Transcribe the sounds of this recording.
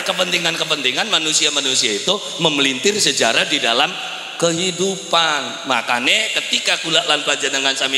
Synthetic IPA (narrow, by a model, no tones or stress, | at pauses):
kəpənt̪iŋankəpənt̪iŋanmanusiamanusiait̪u | məmlint̪ɪrsəd͡ʒaɾadida̰lam | kəɦidupan | ma̰kanɛkət̪ikakulaʔlanpad͡ʒanəŋansami